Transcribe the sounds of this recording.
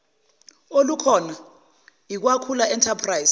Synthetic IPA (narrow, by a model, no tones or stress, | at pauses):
olukʰɔna | ik̬wakʰulaɛntʰapʰrajz